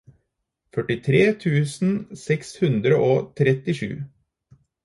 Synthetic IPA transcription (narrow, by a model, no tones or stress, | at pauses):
fœʈɪt̪ʰɾeːt̪ʰʉːsn̩sɛkshʉnd̪ɾəʔoːt̪ʰɾɛt̪ɪʂʉ̰ː